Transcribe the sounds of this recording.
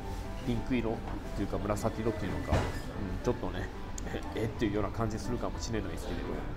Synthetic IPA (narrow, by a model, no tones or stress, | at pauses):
pʲĩŋkɯ̟iɾo̞t̪ːejɯ̟kamɯ̟ɾasak̪ʲiɾo̞t̪ːeiɯ̟noka̰ | ɯ̟̃ɴt͡ɕo̞t̪ːo̞ne | eet̪ːe̞jɯ̟jo̞ːnakãɲ̟d͡ʑisɨɾɯ̟kamoɕinenːoɲʲisɨ̥t̪eiɾeb̪o̰